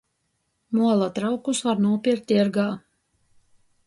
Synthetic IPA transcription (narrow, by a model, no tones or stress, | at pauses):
muɔlˠat̪ɾawkusvaɾnuɔpʲiɾt̪ʲiɾɡaː